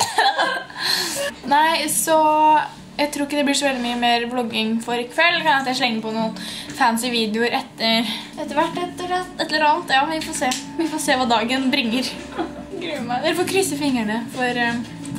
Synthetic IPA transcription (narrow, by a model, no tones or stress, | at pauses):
næɪsɔ | jæɪt̪ʰɾuːɪkːəd̪ɛblɪʂɔʋɛld̪ɪmyːəmeːɾblɔɡɪŋfɔɾɪkʰʋɛlːkʰɑnɑt̪jæɪʂɭɛŋːəpɔnuːənfænsɪʋiːd̪ɪʊəɾʔɛt̪ːəɾ | ɛt̪ːəɾʋæʈːɛt̪ːəɾɑt̪ɛt̪ləɾɔɑlt̪jɑːmnʋɪfoːseːʋɪfoːseːʋɑːd̪ɑːɡənbɾɪŋːəɾ | ɡmd̪æɾfɔkʰɾʏsːəfɪŋːəɳəfɔɾ